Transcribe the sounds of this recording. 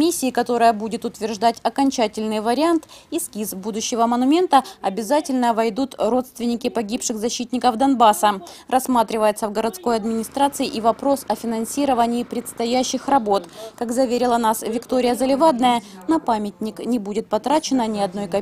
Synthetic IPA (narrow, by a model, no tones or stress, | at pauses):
mʲisʲːɪːkɐt̪o̞ɾəjəbudʲɪt̪ʊt̪vʲɪrʐd̪atʲɐkɐnʲt͡ɕætʲɪlʲnɨjvəɾʲɪant̪iskʲizbud̪ʊɕːɪvəmənʊmʲe̞nt̪əɐbʲɪzatʲɪlʲnəvɐjd̪ut̪ɾo̞t̪st̪vʲɪnʲɪkʲɪpɐɡʲipʂɨxzɐɕːit̪ʲnʲɪkəvd̪ɐnbasərɐsmat̪ɾʲɪvəjɪt̪səvɡəɾɐt̪sko̞jɐd̪mʲɪnʲɪst̪ɾat̪sɨɪʔivɐpɾo̞sɐfʲɪnɐnsʲiɾəvənʲɪːpɾʲɪt̪st̪ɐjæɕːɪxrɐbo̞t̪kakzɐvʲeɾʲɪlˠənasvʲɪkt̪o̞ɾʲɪjəzəlʲɪvad̪nəjənɐpamʲɪt̪ʲnʲɪknʲɪbudʲɪt̪̚pɐt̪ɾat͡ɕɪnənʲɪɐd̪no̞jkɐ